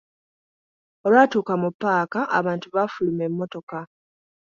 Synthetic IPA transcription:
o̞lwaːtuːkamupːaːkaʔa̰βaːntuβafulumemːo̞to̞ka

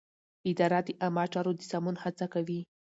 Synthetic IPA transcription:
ɪd̪ɑɾad̪əʔamɑt͡ʃɑɾod̪əsamunhat͡sakawi

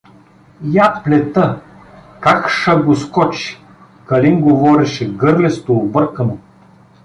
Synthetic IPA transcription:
japlʲɛt̪ə | kakʃɐɡoskɔt͡ʃi̥ | kɐlinɡovɔɾɛʃɛɡɤɾlɛst̪oːbɤɾkəno

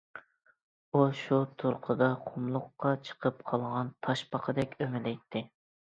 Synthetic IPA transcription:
uʃut̪ʰuɾqʰəd̪ɑqʰʊmlˠʊqːɑt͡ʃʰə̥qʰəp̚qʰɑlˠʁɑnt̪ʰɑʃpɑqʰəd̪ɛkʲømɪlɛjt̪ʰːɪ

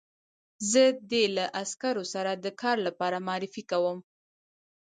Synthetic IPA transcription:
zəd̪elaʔaskaɾosaɾad̪əkɑɾlapɑɾamɑɾɪfikawəm

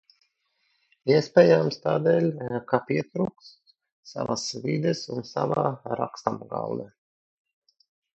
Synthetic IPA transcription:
iɛspʲɛːjamst̪aːd̪ɛːlʲkapiɛt̪ɾuːks | sa̰vasvid̪ɛsunsa̰vaːɾa̰kst̪amɡa̰ld̪ɛ

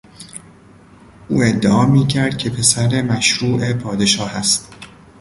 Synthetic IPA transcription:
ʔuːe̞d̪ːeʔɒːmiːcʰæɾd̪̥̚cʲʰe̞pʰe̞sæɾe̞mæʃɾuːʔe̞pʰɒːd̪e̞ʃɒːhæst̪

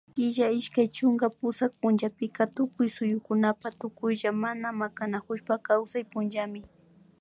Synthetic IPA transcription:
ɪʒaɪʃkajt͡ʃʊŋɡapʊsak̚pʊnd͡ʒapɪkat̪ʊkʊjsʊjʊkʊnapat̪ʊkʊjʒamanamakanakʊʃpakawsajpʊnʒamɪ

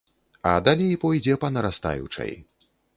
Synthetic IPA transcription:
ɐ̰d̪alʲejpɔjd͡zʲɛpɐnɐɾast̪a̰jṵt͡ʂɐ̰j

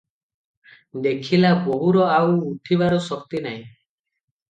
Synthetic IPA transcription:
d̪ekʰilaboɦuɾɔawːʈʰiβaɾɔsɔk̚t̪inaɦĩ

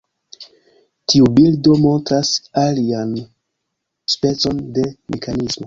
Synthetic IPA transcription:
tʰiubildo̞mo̞ntɾasalian | spe̞t͡so̞nde̞mʔe̞kʰanismo̞

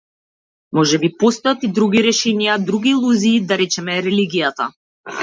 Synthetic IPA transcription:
mɔʒɛbipɔst̪ɔjat̪id̪ɾuɡiɾɛʃɛnijad̪ɾuɡiːlˠuziːd̪aɾɛt͡ʃɛmɛɾɛliɡijat̪a̰

